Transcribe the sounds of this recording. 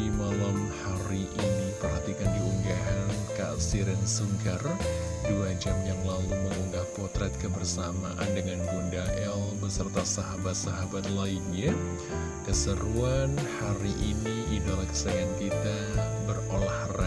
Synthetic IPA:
imalamhaɾiʔinipərhat̪ikandiuŋɡaɦanka̰siɾɛnsuŋɡar | duad͡ʒamjaŋlaluməŋuŋɡahpɔrt̪ɾɛt̪̚kəbərsama̰ʔa̰ndəŋanɡundaʔɛlbəsərt̪asaɦabat̪̚saɦabat̪̚lainɲa | kəsəɾuanhaɾiʔiniidolaksajankit̪a | bərolahra

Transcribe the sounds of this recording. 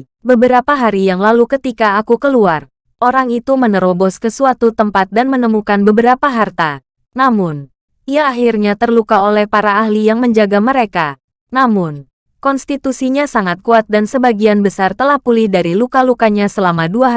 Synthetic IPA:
bəbəɾapaɦaɾijaŋlalukət̪ikaːkukəluar | ʔoɾaŋit̪umənəɾobɔskəsuat̪ut̪əmpat̪̚danmənəmukanbəbəɾapaɦart̪a | namʊn | ʔiaːɦirɲat̪ərlukaolɛhpaɾaːhlijaŋməɲd͡ʒaɡaməɾeka | namʊn | kɔnst̪it̪usiɲasaŋat̪̚kuat̪̚dansəbaɡianbəsart̪əlahpulɪhdaɾilukalukaɲasəlamaduaɦ

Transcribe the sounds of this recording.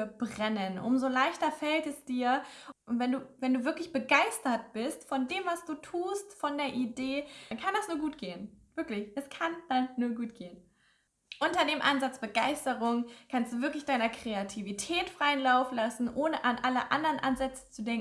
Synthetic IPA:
ɛɐbʁɛnənʔʊ̰mzolaɪçtɐfɛltɛsd̥iːɐʔʊntv̥ɛnduːvɛnduːvɪɐklɪçb̥əɡaɪstɐt̚b̥ɪstfɔndeːmvasd̥uːtʰuːstfɔndeːɐʔideːnkʰandasnuːɐɡuːt̚ɡ̥eːənv̥ɪɐklɪçʔɛskʰand̥anːuːɐɡuːtɡ̥eːən | ʔʊntɐdeːmʔanzat͡sb̥əɡaɪstəʁʊŋkʰanstd̥uːvɪɐklɪçd̥aɪnɐkʁ̥eatʰivitʰɛːtfʁ̥aɪənlaʊfn̩lasn̩ʔoːnəʔanʔaləʔa̰ndəʁənʔanzɛt͡sə̥t͡sudɛŋ

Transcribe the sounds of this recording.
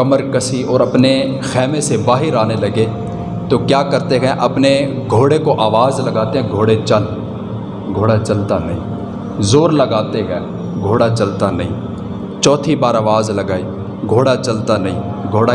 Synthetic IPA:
kəməɾkəsiɔːɾəpne | xɛːmẽsebaːɦiɾaːneləɡeː | t̪oːkjaːkəɾt̪eɦɛ̃ʔəpneɡʱoːɽekoʔaːʋaːzləɡaːt̪eɦɛ̃ɡʱoːɽet͡ʃəl | ɡʱoːɽat͡ʃəlt̪anəɦḭ̃ː | zoːɾləɡaːt̪eɦɛ̃ː | ɡʱoːɽat͡ʃəlt̪anə̰ɦḭ̃ː | t͡ʃɔːt̪ʰibaːɾaːʋaːzləɡaːiː | ɡʱoːɽat͡ʃəlt̪anəɦĩː | ɡʱoːɽa

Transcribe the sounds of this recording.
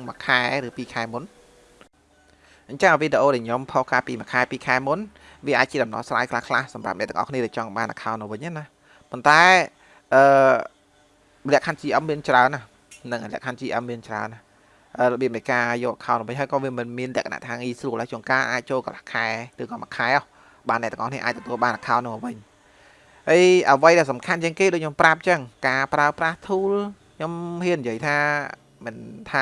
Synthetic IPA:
ŋmakʰaɛɾɨːpiːkʰaɛmun | ʔəɲt͡ɕəŋʋiɗeʔoːɗaɲompʰohkaːlpiːmakʰaɛpiːkʰaɛmun | ʋiəʔaːc̚t͡ɕiəɗɑmnɑ̰hsraːjkʰlahkʰlahsɑmra̰p̚nɛ̰̆ʔt̪ːəŋʔɑ̰hkʰniəɗɛt͡ɕɑŋɓaːnʔa̰kʰaɔnɨwʋɨɲʔana | pont̪aɛ | ʔəː | lɛ̆əʔkʰant͡ɕiːʔəm̚miənt͡ɕraənːah | nɨŋlɛ̰̆əʔkʰant͡ɕiːʔəm̚iənt͡ɕraəna | ʔəːləɓiəp̚nɨkaːjɔːʔakʰaɔnːɨ̆ʋɨɲɦəjkɑːʋiəmɨnmiənlɛ̆əkana̰ʔt̪ʰaːŋiːsruəlhakʰoəŋkaːʔaːc̚t͡ɕoːlkəlahkʰaɛrɨːkɑːmaʔkʰaɛʔɔh | ɓaːnɛ̆ʔt̪ːə̰ʔɑ̰hniəʔaːc̚t̪ɔt̪uəlɓaːnʔakʰaɔnːɨŋəʋɨɲ | həjʔəʋəjɗaɛlsɑmkʰant͡ɕiəŋkeːɗoːc̚ʰɲomprap̚t͡ɕəŋkaːpraəpraht̪ʰuːlkʰɲomhiənːijəəjt̪ʰaː | mɨnt̪ʰaː

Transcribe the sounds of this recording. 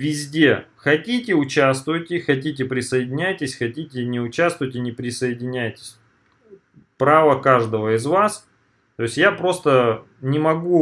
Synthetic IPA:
vʲɪzʲdʲe̞xɐtʲitʲɪʊt͡ɕast̪vʊjɪtʲɪxɐt̬ʲit̬ʲɪpɾʲɪsəjɪdʲɪnʲæjtʲɪsʲxɐtʲitʲɪnʲɪʊt͡ɕast̪vʊvətʲɪnʲɪpɾʲɪsəjɪdʲɪnʲæjtʲɪ̥sʲ | pɾavəkaʐd̪əvəɪzvas | t̪o̞ɪsʲjapɾo̞st̪ə | nʲɪmɐɡu

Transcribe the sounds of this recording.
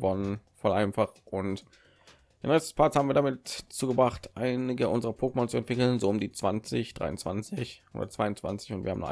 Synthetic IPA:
vɔnənfɔlʔaɪnfaχʔʊnt | d̥eːnʁɛçstəspʰat͡shaːmviːɐdamɪtt͡suːɡəbʁaχtʔaɪnɪɡəʔʊnzəʁɐpʰoːk̚mɔnt͡suɛntvɪkl̩nzoːʊmdiːt͡sv̥ant͡sɪçd̥ʁa̰ɪʊnt͡sv̥a̰nt͡sɪçʔoʊ̰ːdɐ̰t͡sv̥aɪʊnt͡sv̥a̰nt͡sɪ̥çʊntv̥iːɐhamn̰χʔ

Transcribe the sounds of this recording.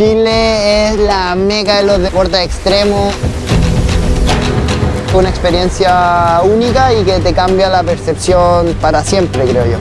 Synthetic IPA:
t͡ʃileeslamekaelozðepoɾt̪aekst̪ɾemo | unaekspeɾjensjaunikaiket̪ekambjalapeɾsepsjonpaɾasjempɾekɾeoʝo̰

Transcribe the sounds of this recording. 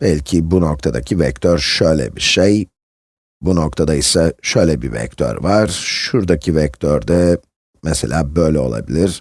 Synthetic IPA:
b̥ɛlʲcʰibuno̞k̚t̪ʰad̪acʰivɛc̚t̪ʰøɾʃøjlʲɛ̰biʃej | buno̞k̚t̪ʰad̪aisaʃø̞jlʲɛbivɛ̰c̚t̪ʰø̰ɾvaɾ̥ʃuɾd̪acʰivɛc̚t̪ʰøɾd̪ɛ | mɛselʲaːbø̞jlʲɛo̞̰lˠa̰bilʲiɾ̥

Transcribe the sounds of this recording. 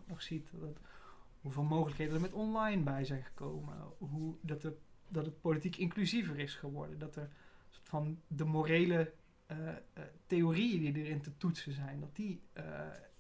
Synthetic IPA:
nɔχsittɦuveːlˠmowχələkɦejdənəɹmɛtɔnlɑjnbɛjzɛjnχə̥kowmə̰ɦudɑtədɑtət̚politikɪŋklyzivərɪsχəʋɔɹdəndɑtəɹsoɹtfɑndəmorejlə | tejorijədidərɪntətutsəzɛjndɑt̚di

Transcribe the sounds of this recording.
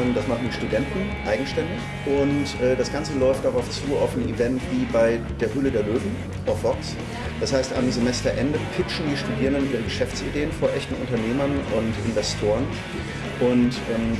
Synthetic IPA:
d̥asmaχn̩diːʃtudɛntn̩ʔaɪɡŋ̩ʃtɛndɪç | ʔʊntʔɛːdasɡ̥ant͡səlɔʏft̚d̥aʁaʊft͡suːa̰ʊfn̩ḭvɛntv̥iːbaɪdeːɐɦʏlədeːɐløːvm̩ | ʔɔfbɔks | d̥ashaɪsta̰mzemɛstɐʔɛndəpʰɪt͡ʃn̩diːʃtudiːʁəndəniːbɐəɡəʃɛft͡sideːənfoːɐʔɛçtn̩ʔʊ̰ntɐneːmɐnʊntʔɪnvɛstʰoːʁən | ʔʊntʔɛːm

